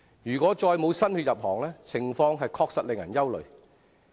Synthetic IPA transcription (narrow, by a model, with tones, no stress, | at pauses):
jyː˨˩kʷɔː˨˥t͡ʃɔː˧jmo˨˧wsɐ˥nhyː˧t̚jɐ˨p̚hɔː˨˩ŋlɛː˥t͡sʰɪ˨˩ŋfɔː˧ŋɦɐ˨jkʰɔː˧k̚sɐ˨t̚lɪ˨ŋjɐ̰˨˩njɐ˥wlɵ̰˨ɥ